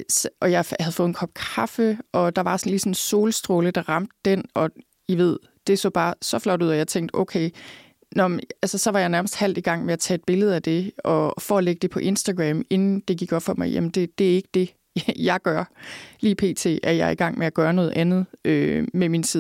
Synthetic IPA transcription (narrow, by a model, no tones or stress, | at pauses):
sʔɒ̽jɑɪhæðˠfɔ̽ːð̩ˠnkʰɒ̽b̥̚kʰɑfəʔɒ̽d̥ɑ̈ʋɑ̈sɒnliːsɒ̽nso̝ːləsd̥ʁoːləd̥ɑ̈ʁɑ̈m̰d̥ə̥ːenɒ̽ | jiʋe̝ð̰ˠ | d̥e̝so̰ːb̥ɑ̈ːsɒ̽flɒ̽ɾ̥uð̞̰ˠɒjɑ̈ɪt͡sʰeŋ̰d̥oʊkʰeɪ | nɒmælsəsɒ̽ʋɑ̈jɑ̈ɪnæɐməsd̥hæl̰d̥iɡ̥ɑ̈ŋ̰meæt͡sʰɛ̰ːe̝d̥̚b̥e̝ləð̞̩ˠæd̥e̝ɒ̽fɒ̰ːleɡ̥əd̥e̝pʰɒ̽ʔe̝nsd̥æɡ̥ʁɛme̝nn̩d̥e̝ɡ̥iɡ̥ɒ̽b̥fɒ̽mɑ̈ɪjæ̰mn̩d̥e̝d̥e̝æɐe̝ɡ̥ə̥d̥e̝ | jɑ̈ɪɡ̥ɶɐliːpʰe̝̰ːt͡sʰe̝̰ːæɐjɑɪiɡ̥ɑ̈ŋ̰meæɡ̥ɶːɐnɔ̽ːð̞̩ˠʔænð̞̩ˠømeminsʰið̰ˠ